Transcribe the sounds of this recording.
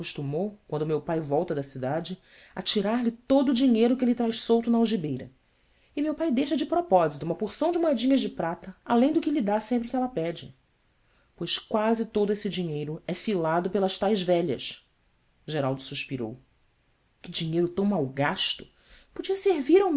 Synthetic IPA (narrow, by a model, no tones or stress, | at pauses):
kuʃt̪umowkwɐ̃nd̪ʊmewpajvɔwt̪ɐd̪ɐsid̪ad͡ʒɪ | ɐ̰t͡ʃiɾaɾlɪt̪od̪ʊːd͡ʒiɲejɾʊkɪlɪt̪ɾajʃsowt̪ʊnɐawʒibejɾɐ̰ | ɪmewpajd̪ejʃɐd͡ʒɪpɾopɔzit̪ʊũmɐpuɾsɐ̃w̃d͡ʒɪmoɛd͡ʒĩɲɐʒd͡ʒɪpɾat̪ɐalẽj̃d̪ʊkɪlid̪asẽmpɾɪkɪɛlɐpɛd͡ʒɪ | pojʃkwazɪt̪od̪ʊesɪd͡ʒiɲejɾʊɛfilad̪ʊpelɐʃt̪ajzvɛʎɐ̰s | ʒeɾawˠd̪ʊsuʃpiɾo̰w | kɪd͡ʒiɲejɾʊt̪ɐ̃w̃mawɡaʃt̪ʊ̥ | pod͡ʒiɐseɾviɾam